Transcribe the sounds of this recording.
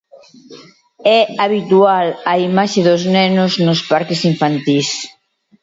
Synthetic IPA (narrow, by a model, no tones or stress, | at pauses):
ɛaβ̞it̪ualaimaʃeðʊznɛnʊznʊspaɾkesiɱfant̪is